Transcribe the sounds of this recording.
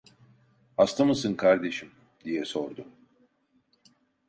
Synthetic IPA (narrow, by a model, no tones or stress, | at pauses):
hast̪amɯsɯnkʰaɾd̪e̞ʃim | d̪ijɛso̞ɾd̪ʊ